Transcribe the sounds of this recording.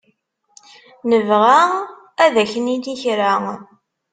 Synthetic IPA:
nəvʁa | æðæçənid̪içɾa

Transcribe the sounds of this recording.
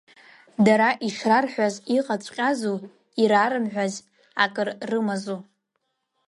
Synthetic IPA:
daɾaʔiʂrarħʷᶣaziqʼat͡ʃʷʼqʲʼazu | iɾaɾɨmħᶣʷaz | akʼɨrːɨmazo

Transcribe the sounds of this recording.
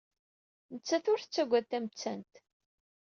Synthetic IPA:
nət͡sːæθʊɾθət͡sːæɡʷæðt̪ːæmət͡sːæ̰nt̪

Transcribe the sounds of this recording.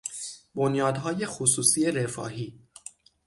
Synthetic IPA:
bo̞njɒːd̪ɦɒːje̞xosuːsiːe̞ɾefɒ̰ːɦiː

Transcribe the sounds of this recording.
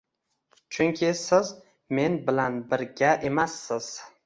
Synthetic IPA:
t͡ʃʰʊŋkʲʰɪsɪz | me̞nbɪlanbɪɾɡʲaʔe̞masːɪz̥

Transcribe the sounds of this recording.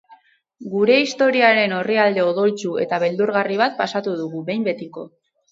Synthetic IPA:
ɡuɾe̞ist̪o̞ɾiaɾe̞no̞riald̪e̞o̞ðo̞lt͡sue̞̰t̪aβe̞ld̪uɾɣariβ̞at̪̚pasat̪uð̞uɣuβe̞jmbe̞t̪iko̞̰

